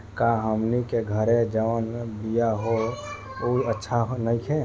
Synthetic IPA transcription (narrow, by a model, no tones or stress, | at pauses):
kãɦəmnikeɡʱəɾed͡ʒəʋənbijaɦo | oiətːʃʰaɦnəɪkʰẽ